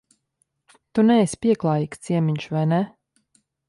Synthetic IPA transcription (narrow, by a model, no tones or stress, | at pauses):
t̪unɛːsʲpiɛklˠaːjikst̪siɛmiɲʃvajnɛ